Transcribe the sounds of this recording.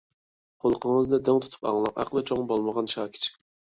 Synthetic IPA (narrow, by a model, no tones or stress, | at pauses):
qʰolˠqʰəŋəzd̪ɛd̪ɛŋt̪ʰut̪ʰu̥pɑ̰ŋlˠɑqæ̰qlˠɨt͡ʃʰoŋbolˠməʁɑnʃɑːkʲʰi̥t͡ʃʰɪ̥